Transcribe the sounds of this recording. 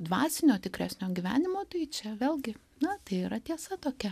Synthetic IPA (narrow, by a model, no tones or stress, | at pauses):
d̪ʋɑːsʲɪnʲoːt̪ʲɪkɾʲæsʲnʲoːɡʲiʋʲæ̰ːnʲɪmoːt̪ɐɪt͡ʃʲɛʋʲeːlʲɡʲɪ | nɐt̪ɐɪiːɾɐt̪ʲiɛsɐt̪oːkʲɛ